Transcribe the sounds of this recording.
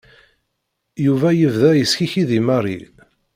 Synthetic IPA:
juvæjəvðæjəsçiçiðimərḭ

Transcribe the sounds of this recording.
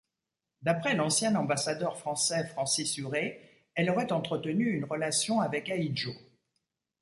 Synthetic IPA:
d̪apχɛlɑ̃sjɛ̃nɑ̃basad̪œʁfχɑ̃sɛfχɑ̃sisyʁe | ɛlɔʁɛt̪ɑ̃t̪χət̪ənyːnʁəlasjɔ̃avɛkaid͡ʒo

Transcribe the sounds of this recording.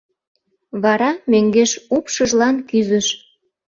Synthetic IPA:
βɑɾɑmøŋɡeʃupʃəʒlɑnkyzəʃ

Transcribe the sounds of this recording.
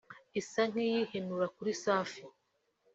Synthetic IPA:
isaŋ̥ijihenuɾakuɾisaːfi

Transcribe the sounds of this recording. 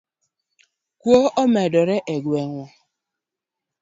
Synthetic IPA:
kuoʔɔmedɔɾeʔeɡweŋʷɔ

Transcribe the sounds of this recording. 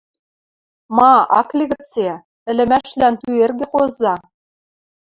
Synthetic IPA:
mɑɑ̰klʲiɣɘ̆t͡se | ɘ̆lʲɘ̆mæʃlænt̪yerɡʲɘ̆χozɑ

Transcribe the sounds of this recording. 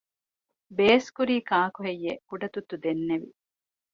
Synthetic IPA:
beːskuɾiːkaːkuɦejːekuɖɐt̪ut̪ːud̪enːeʋḭ

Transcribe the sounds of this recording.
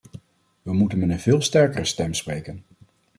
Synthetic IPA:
ʋəmutənmɛtənvɪːlˠstɛɹkərəstɛmsprejkən

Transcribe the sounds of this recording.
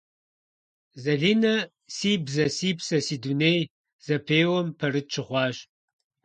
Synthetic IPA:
zɐɮiːnɐ | siːbzɐsiːpsɐsid̪unej | z̥ɐpʰeːwɐmpʰɐɾɨt̪̚t͡ʃʰɨχʷɑːʃ

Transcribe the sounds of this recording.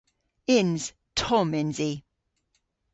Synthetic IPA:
ɪnz̥ | tʰɔmɪ̃nzi

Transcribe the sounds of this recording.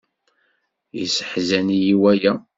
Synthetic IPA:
jḭsə̥ħzænijiwæjæ

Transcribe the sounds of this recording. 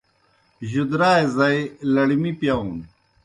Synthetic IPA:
ʑud̪ɾaːezɐjlɐɽimipjɐun

